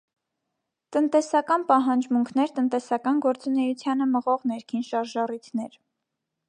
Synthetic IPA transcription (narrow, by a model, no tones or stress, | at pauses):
t̪ənt̪ɛsɑkɑnpɑɦɑnd͡ʒmuŋkʰnɛɾt̪ənt̪ɛsɑkɑnɡɔɾt͡sunɛjut͡sʰjɑnəməʁɔʁnɛɾkʰinʃɑɾʒɑrit̪ʰnɛɾ